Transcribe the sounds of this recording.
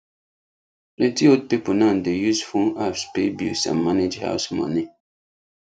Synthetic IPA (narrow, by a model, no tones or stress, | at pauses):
letiod̚pipunãndejusfuŋafspebjṵsã̰mːaned͡ʒha̰ʊsmɔ̰ni